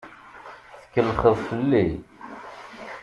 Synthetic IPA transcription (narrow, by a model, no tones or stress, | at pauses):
θə̥kːəlːχəðˤfəlːi